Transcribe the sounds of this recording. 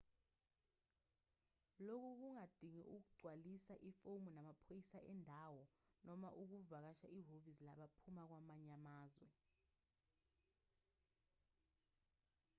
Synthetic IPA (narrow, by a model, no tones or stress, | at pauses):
lok̬uk̬uŋad̥ʱiŋɛ̰ʔuk̬uɡ͡ǀʱwalisaʔifowmunamapʰojisaʔɛndʱawɔnɔmaʔuk̬uvak̬aʃaʔiɦovislaɓapʰumak̬wamaɲamaːzwɛ